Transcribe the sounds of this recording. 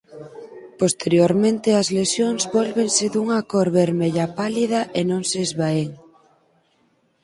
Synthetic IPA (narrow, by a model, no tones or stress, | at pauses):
post̪eɾjoɾmẽnt̪ɪɐzlesjoŋzβɔlβeŋsɪðuŋakoɾβeɾmeʎɐpalið̞ɐʔenõŋsezβaeŋ